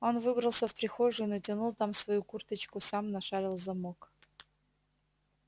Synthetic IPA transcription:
onvɨbɾəlˠsʲəfpɾʲɪxoʐɨinətʲɪnulˠt̪amsvɐjukurt̪ət͡ɕkʊsamnɐʂalʲɪlˠzɐmok

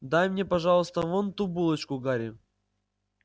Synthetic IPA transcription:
d̪ajmnʲepɐʐɑlˠəst̪əvont̪ubulˠət͡ɕkʊɡaɾʲɪ

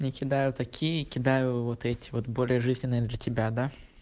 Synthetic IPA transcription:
nʲɪkʲɪd̪ajʊt̪ɐkʲʰijəkʲɪd̪ajʊvot̪ɛtʲɪ̥vo̞t̪bo̞lʲɪjəʐɨzʲnʲɪnːɨjəd̪lʲətʲɪbʲad̪a

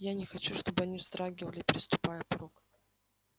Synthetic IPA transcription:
janʲɪxɐt͡ɕuʂt̪o̞bɨɐnʲivzt̪ɾaɡʲɪvəlʲɪpʲɾʲɪst̪ʊpajəpɾok

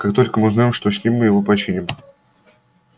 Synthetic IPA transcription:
kakt̪o̞lʲkəmɨʊznaɪmʂt̪osʲnʲimʲːɨjɪvopɐt͡ɕinʲɪm

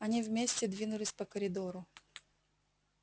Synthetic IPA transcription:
ɐnʲivmʲesʲtʲɪd̪vʲinʊlʲɪsʲpəkəɾʲɪd̪oɾʊ

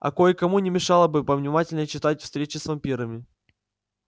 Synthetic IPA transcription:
ɐ̰kojɪkɐmunʲɪmʲɪʂɑlˠəbɨpəvnʲɪmatʲɪlʲnət͡ɕɪt̪atʲfst̪ɾʲet͡ɕɪsvɐmpʲiɾəmʲɪ

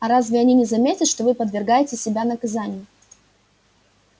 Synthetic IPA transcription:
ɐɾazvʲɪɐnʲinʲɪzɐmʲetʲət̪ʂt̪ovɨpəd̪vʲɪrɡajɪtʲɪsʲɪbʲanəkɐzanʲɪjʊ

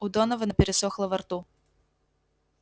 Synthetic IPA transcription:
ud̪ɔnɐvɐnɐpʲɛɾɪsɔxlˠɐvɐrt̪u

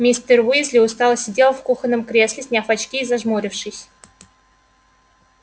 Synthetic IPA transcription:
mʲisʲt̪ərwizʲlʲɪʊst̪ɑlˠəsʲɪdʲelˠfkuxənːəmkɾʲeslʲɪsʲnʲɪafat͡ɕkʲizaʐmoɾʲɪfʂɨsʲ

